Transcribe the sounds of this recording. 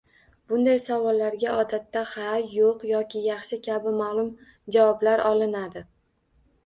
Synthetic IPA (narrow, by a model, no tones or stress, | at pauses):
b̥ʊnd̪ajsavɒlːaɾɡʲaʔɒd̪at̪ːahajoqjɒkʲɪjɑχʃɪkʲʰabɪmalˠʊm | d͡ʒavɒblaɾɒlˠɪnad̪ɪ